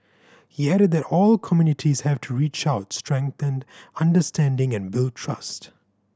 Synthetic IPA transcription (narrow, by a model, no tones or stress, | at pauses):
hiæɾɨd̪̚ðɨɾɔːlkʰɔmjunɪʈʰiz̥hævtʰuɹiːt͡ʃaʊtstɹ̥ɛ̃ŋk̚θə̃ndʌ̃ndəstʰæ̃ndɪ̃ŋɨ̃nbɪl̚tʰɹʌ̰st